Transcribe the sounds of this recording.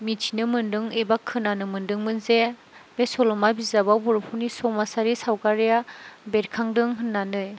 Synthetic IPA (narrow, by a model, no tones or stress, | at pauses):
mitʰinɯmɯndɯŋebakʰːɯnanɯmɯndɯŋmɯnze | besɔlɔmabizababuɾpʰuwnisɔmasaɾisawkaɾijabeɾkʰaŋdɯŋɦɯnːanɯj